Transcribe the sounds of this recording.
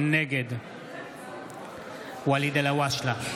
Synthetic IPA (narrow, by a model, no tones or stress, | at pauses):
nːɛɡɛd̪ | walid̪ɛlɐwaʃlɐ